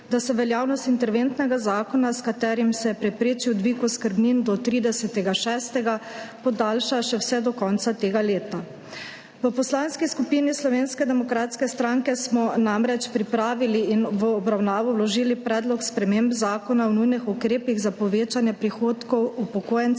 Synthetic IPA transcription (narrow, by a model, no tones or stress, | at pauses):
d̪asɛʋɛljaːwnɔst̪int̪ɛɾʋent̪nɛɡazaːkɔnaskat̪ɛːɾimsɛpɾɛpɾeːt͡ʃiwd̪ʋikuskəɾbnind̪ɔt̪ɾiːd̪ɛsɛt̪ɛɡaʃɛːst̪ɛɡapɔd̪aːlʃaʃɛwsɛd̪ɔkɔnt̪sat̪eːɡaleːt̪a | ʋəpɔslaːnskiskupinislɔʋeːnskɛd̪ɛmɔkɾaːt̪skɛst̪ɾaŋkɛsmɔnamɾɛt͡ʃpɾipɾaːʋiliːnʋəɔbɾawnaːʋɔwlɔʒiːlipɾɛːd̪lɔkspɾɛmembzaːkɔnawnujnixukɾeːpiɣzapɔʋeːt͡ʃanjɛpɾixoːt̪kɔwupɔkoːjɛn